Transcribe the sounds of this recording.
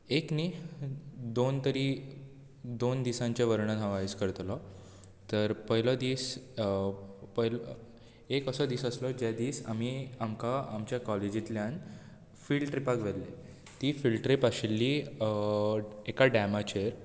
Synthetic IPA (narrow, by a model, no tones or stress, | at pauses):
ekni | d̪ont̪əɾiː | d̪ond̪isãɲt͡ɕaʋəɾɳəd̪ɦãʋaiskəɾt̪lɔ | t̪əɾpəɦilɔd̪iːs | pəɦl | ekəsəd̪iːsəslɔd͡ʑad̪iːsamiamkaːmt͡ɕjakɔled͡ʑit̪ljãn | filʈɾipakʋelːe | t̪iːfilʈɾipaɕelːiː | ekaɖæmat͡ɕeɾ